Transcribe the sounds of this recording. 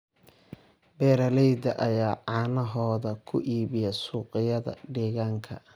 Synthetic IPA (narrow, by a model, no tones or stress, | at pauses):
bɛːɾɐlɛjd̪ɐʔɐjaːʕɑːnɐɦɔːðɐkʰʊʔiːβɪjɛsuːqɪjɐðɐ̰ɖɛːɣaːŋkʰɐ